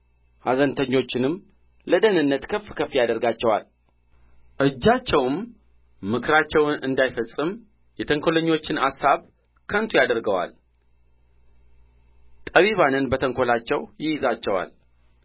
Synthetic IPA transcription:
hazənt̪ʰəɲːo̞t͡ʃːɪnɨm | ləd̪ənɨnːət̪kʰəfkʰəfːijad̪əɾɡat͡ʃːɛwa̰l | ʔɨd͡ʒːat͡ʃːɛwɨmː | ɨkʰɨɾat͡ʃːɛwnɨnd̪ajfəsʼɨm | jɛt̪ʰəŋkʰoləɲːo̞t͡ʃːɪnasːaβ | kʰənt̪ʰujad̪əɾɡəwa̰l | t̪ʼəβiβanɨnbət̪ʰəŋkʰo̞lat͡ʃːɛwjɪjɪzat͡ʃːɛwa̰l

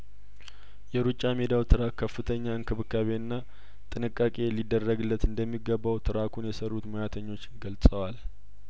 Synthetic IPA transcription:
jɛɾut͡ʃʼːamed̪awt̪ʰɨɾakʰːəfːɨt̪ʰəɲːaɨŋkʰɨβɨkːaβe̞ɨnːa | t̪ʼɨnɨkʼːakʼe̞lid̪ːərːəɡɨlːət̪ɨnd̪əmːiɡəβːawt̪ʰɨɾakʰunjɛsərːut̪mojat̪ʰəɲːo̞t͡ʃːɡəlsʼəwal

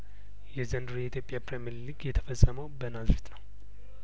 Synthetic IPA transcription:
jɛzənd̪ɾujɛit̪ʰjopʼjapɾemɛɾliɡjɛt̪ʰə̥fəsʼːəməwbənazɾit̪nəw

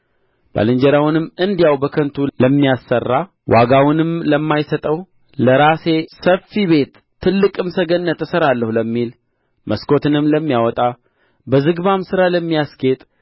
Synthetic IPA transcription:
b̥a̰lɨɲd͡ʒəɾawnɨmːɨnd̪ijawbəkʰənt̪ʰuləmːijasːərːa | wʔaɡawɪnɨmləmːajsət̪ʼəw | ləɾase̞səfːiβe̞t̪ʰː | ɨlːɨkʼɨmsəɡənːət̪ːəsəɾalːəhuləmːil | məsko̞t̪ʰɨnɨmləmːijawɔt̪ʼa | bəzɨɡβamsɨɾaləmːijaske̞t̪ʼ

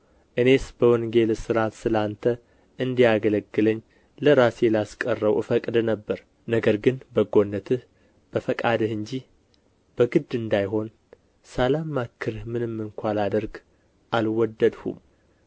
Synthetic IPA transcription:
ʔɨne̞sbəwɔŋɡe̞lsɨɾat̪sɨlant̪ʰə | ʔɨnd̪ijaɡələɡːɨləɲː | ləɾaselaskʼərːəwɨfəkʼd̪nəbːəɾ | nəɡəɾɡɨnbəɡo̞nːət̪ʰɨh | b̥əfəkʼad̪ɨhɨɲd͡ʒi | b̥əɡɨd̪ɨnd̪ajɦo̞n | səlamːakʰːɨɾhmɨnɨmːɨŋkʷʰalad̪əɾɡ | ʔalwɔd̪ːəd̪hṵm

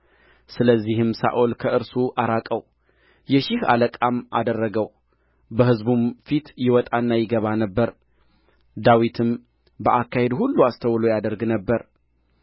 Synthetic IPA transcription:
sɨləzːihɨmsa̰ʔolkʰəɨɾsuʔaɾakʼəw | jɛʃɪha̰ləkʼamʔa̰d̪ərːəɡəw | bəhɨzbumfit̪jɪwɔt̪ʼanːajɪɡəβanəbːəɾ | d̪awit̪ʰɨm | bəʔakːahe̞d̪hulːuast̪ʰəwlojad̪əɾɡnəbːəɾ

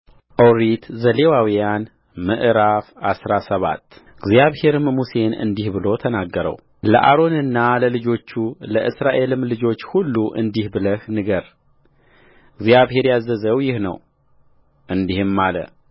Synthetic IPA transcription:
ʔoɾit̪zəle̞wawijan | məʔɾafasɾasəβa̰t̪ːɨɡzjaβhe̞ɾɨmmuse̞nɨ̰nd̪ihbɨlo̞t̪ʰənaɡːəɾə̰w | lə̰ʔaɾo̞nɨnːaləlɨd͡ʒo̞t͡ʃːuləʔɨsɾaʔe̞lɨmlɨd͡ʒo̞t͡ʃːhulːuʔɨ̰nd̪ihbɨləhnɨɡəɾ | ɨɡzijaβhe̞ɾjazːəzəwjɪhnə̰w | ʔɨnd̪ihɨmːalə̰

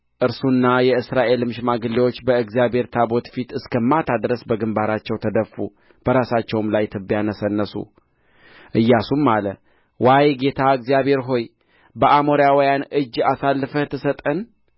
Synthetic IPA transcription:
ʔɨɾsunːajɛɨsɾaʔe̞lmɨʃmaɡɨlːiwo̞t͡ʃːbəɨɡzijabeɾt̪ʰabo̞t̪fit̪ɨskʰəmːat̪ʰad̪ɾəsbəɡɨmbaɾat͡ʃːɛwt̪ʰəd̪əfːu | b̥əɾasat͡ʃːɛwmlajt̪ʰɨbjanəsənːəsṵ | ʔɨjːasumːalə | wajɡe̞t̪ʰaɨɡzijaβe̞ɾɦo̞j | bəʔamoɾijawijanʔɨd͡ʒːasalːɨfəht̪ʰːɨsət̪ʼən

